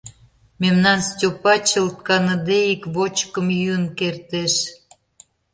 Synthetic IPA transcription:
memnɑnstʲopɑt͡ɕəlt̪̚kɑnəd̪eikβot͡ɕkəmjyənkert̪eʃ

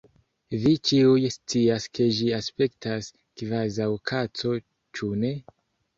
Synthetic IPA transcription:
vit͡ʃiujst͡siaske̞ʒiaspe̞ktas | kvazawkʰat͡so̞ | t͡ʃune̞

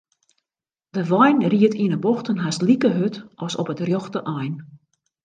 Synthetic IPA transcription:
dəʋɔjnriətʰinəboxtənɦaslikəɦøtʔɔsɔpətrjɔxtəʔɔjn

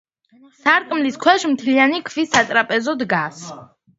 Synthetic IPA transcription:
saɾt̪ʼmliskʰwɛʃmt̪ʰlianikʰvisat̪ʼɾapʼɛzɔd̪ɡas

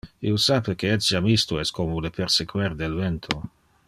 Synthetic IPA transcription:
ḭosapekeɛsiamist̪uɛskomolepeɾsekweɾd̪elvɛnt̪ʰo

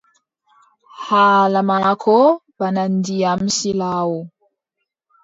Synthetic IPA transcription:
halamakʰɔbanandiamsilawo

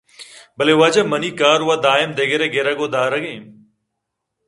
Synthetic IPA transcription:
bəleːʊʋaːd͡ʒəməniːkaːɾʊʋaːd̪aːɪmd̪eːɡeɾeːɡeːɾaːɡoːd̪aːɾəɡẽː

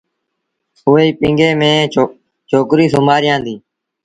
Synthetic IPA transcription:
ʊːeːiːpɪ̃ŋɡeːmẽː | t͡ʃʰoːkɾiːsʊmaːɾɪjãːnd̪iː

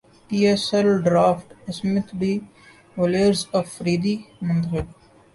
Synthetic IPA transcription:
piːesɛlɖɾaːfʈsmɪt̪ʰbiː | ʋoleəɾzɔʋfɾiːd̪iːmə̃nd̪ɣeɖ

